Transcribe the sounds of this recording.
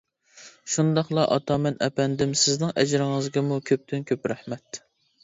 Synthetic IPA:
ʃund̪ɑχlˠɑʔɑt̪ʰɑmɛnʔɛ̰pɛnd̪ɪmsɪznɪŋʔɛd͡ʒɾɪŋɨzɡʲɛmukʲʰøp̚t̪ʰynkʲʰøpɾæhmɛt̪

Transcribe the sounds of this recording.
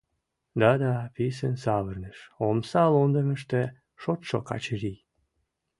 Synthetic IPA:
d̪ɑd̪ɑpisənsɑβərnəʃomsɑlond̪əməʃt̪e | ʃot̪ʃo̰kɑ̰t͡ɕəɾij

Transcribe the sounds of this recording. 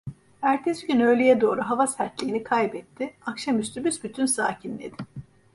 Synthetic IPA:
æɾt̪ʰɛsɟynø̞jlʲejɛd̪o̞ːɾuɦavasæɾt̪lʲiːnikʰajbɛt̪ʰːɪakʃamyst̪ʰybysbyt̪ʰynsaːcʰinːʲḛd̪ɪ

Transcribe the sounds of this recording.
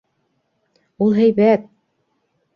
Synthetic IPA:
ulˠɦæjβæt̪̚

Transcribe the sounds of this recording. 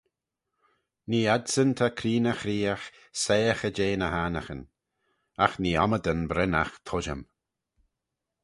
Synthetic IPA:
niːadsənt̪ʰakʰɾiːnəxɾiːax | seːəxəd͡ʒeːnəhaːnə̰xən | axniːɔməd̪ənbɾɛnaxt̪ʰɔʒəm

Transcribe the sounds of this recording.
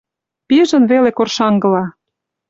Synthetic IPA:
piʒə̆nβelekorʃɑŋɡɤ̆lɑ

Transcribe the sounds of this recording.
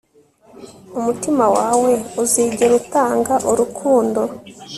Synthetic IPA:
umutimawaːwe̞uziːɟe̞ɾutaːŋɡaʔoɾukʰuːndo̞

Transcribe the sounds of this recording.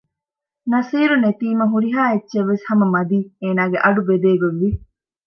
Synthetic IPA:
nɐsiːɾunet̪iːmɐɦuɾiɦaːetːʃeʋːeshɐmɐmɐd̪iːeːnaːɡeʔɐɖubed̪eːɡoʋʋi

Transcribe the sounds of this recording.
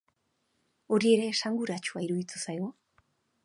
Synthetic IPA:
o̞ɾie̞ɾe̞ːsaŋɡuɾat͡ʃuaiɾuðit͡s̪usajo

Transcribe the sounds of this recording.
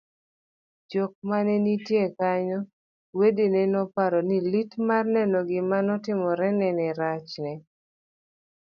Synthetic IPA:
d͡ʒɔk̚manɛnitjekaɲɔ | wedinɛnɔpaɾɔnilitmarnɛnɔɡɪmanɔtɪmɔɾɛnɛnɛɾat͡ʃnɛ

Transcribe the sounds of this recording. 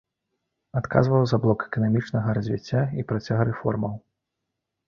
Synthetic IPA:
at̪ka̰zvɐwzɐblˠɔkɛ̥kɐnamʲit͡ʂnɐɣɐɾɐzʲvʲit͡sʲːaipɾat͡sʲaɣɐɾɛfɔrmɐw

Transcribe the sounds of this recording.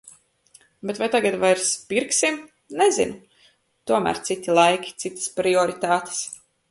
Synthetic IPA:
bɛt̪vajt̪aɡat̪vajɾspiɾksim | nɛzḭnʊ | t̪uɔmæ̰ːɾt̪sit̪ilˠajkʲi̥t̪sit̪ḁspɾiɔɾit̪aːt̪e̥s

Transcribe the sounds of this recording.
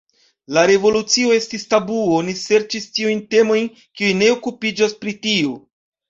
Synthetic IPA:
laɾe̞vo̞lut͡sio̞e̞stistabuoonise̞ɾt͡ʃistiujnte̞mo̞jn | kiujne̞okupid͡ʒaspɾitio

